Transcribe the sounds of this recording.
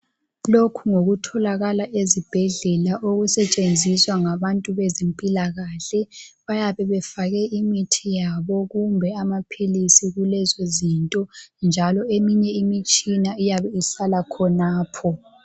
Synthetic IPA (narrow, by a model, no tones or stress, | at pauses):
lokʰuŋoɣutʰɔlaɣalaʔezib̥ʱɛɮɛlaʔoɣusɛt͡ʃʼend͡zʱiswaŋaβantʼuβɛzempʼilaɣaːɬɛ | βajaβɛβɛfaɣɛʔimitʰijaβɔɣumbʱɛamapʰilisiɣulɛzozintʼɔnd͡ʒʱalɔemiɲɛimit͡ʃʼinaijaβɛisalakʰɔnaːpʰɔ